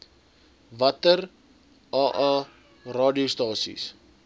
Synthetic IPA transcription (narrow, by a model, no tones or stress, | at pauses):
vɐtər | ɑːʔɑ | rɑːdiostɑːsḭs